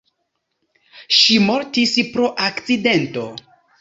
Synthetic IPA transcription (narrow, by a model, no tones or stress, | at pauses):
ʃimo̞ɾtispɾo̞ʔakt͡side̞nto̞